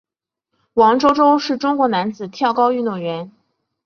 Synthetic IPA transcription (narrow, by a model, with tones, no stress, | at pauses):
wɑ˧˥ŋʈ͡ʂo˥ʊʈ͡ʂo˥ʊʂɻ̩˥˩ʈ͡ʂʊ˥ŋkwɔ˧˥na˧˥nt͡sɹ̩˨˩t̪ʰjɑ˥˩ʊkɑ˥ʊy˥˧nt̪ʊ˥˩ŋɥɛ˧˥n